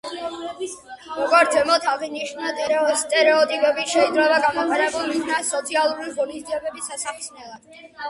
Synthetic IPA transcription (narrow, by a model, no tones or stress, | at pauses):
mɔɡaɾt̪ʰɛmɔt̪ʰaʁiniʃnnast̪ʼɛɾɛɔt̪ʼipʼɛbiʃɛid̪ɾɛvaɡamɔqʼaɾɛbulˠmid̪nasɔt̪sʰialˠuɾiʁɔnisd̪iɛbɛbisasaχsnɛlˠad̪̥